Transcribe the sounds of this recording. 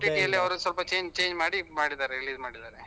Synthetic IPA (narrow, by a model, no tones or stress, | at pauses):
ʈiʈijɐlːiɐʋɐɾusɐlpɐt͡ʃe̞ːɲd͡ʒt͡ʃe̞ːɲd͡ʒmaːɽimaːɽid̪aːɾeɾiliːzmaːɽid̪aːɾe